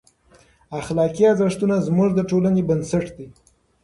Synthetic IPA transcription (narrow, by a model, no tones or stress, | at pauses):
axlɑkiazaʂt̪unazmuʐd̪əʈolanebənsaʈd̪i